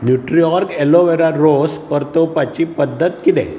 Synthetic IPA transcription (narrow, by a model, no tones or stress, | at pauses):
njuʈɾijɔɾkeloʋeɾaɾospəɾt̪opat͡ɕipəd̪ːət̪kit̪ɛ̰̃